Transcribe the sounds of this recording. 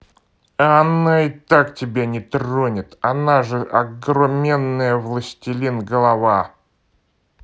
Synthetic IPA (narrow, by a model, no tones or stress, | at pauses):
ɐnaɪt̪aktʲɪbʲanʲɪt̪ronʲɪt̪ɐnaʐɨʔɐɡɾʊmʲenːəjəvlˠəsʲtʲɪlʲinɡəlˠɐva